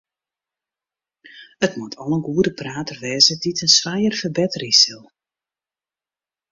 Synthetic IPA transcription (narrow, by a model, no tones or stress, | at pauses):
ətmatʰɔlˠənɡuədəpraːtərʋɛːzəditʰənsʋajərfərbɛtrisɪlˠ